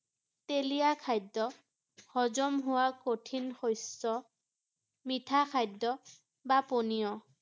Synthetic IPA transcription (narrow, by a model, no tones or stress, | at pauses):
telijakʰajdːɔ | hɔzɔmɦʊwakotʰinxojsːɔ | mitʰakʰajdɔ | baponijɔ